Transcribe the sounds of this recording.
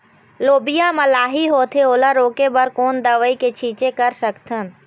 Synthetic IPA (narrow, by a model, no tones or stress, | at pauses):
loːbijaməlaːɦiɦoːt̪ʰeoːləɾoːkebəɾkoːnd̪əʋəiket͡ʃʰiːt͡ʃekəɾsəkt̪ʰən